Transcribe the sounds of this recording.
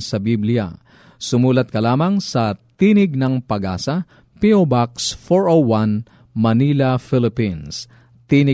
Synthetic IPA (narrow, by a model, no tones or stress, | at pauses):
sɐbiblɪja̰ | sʊmuːlɐt̪̚kɐlaːmɐŋsɐt̪iːnɪɡ̚nɐŋpɐɡa̰ːsɐ | piobaksfoɹowan | mɐniːlɐfɪlɪpins | t̪iːnɪ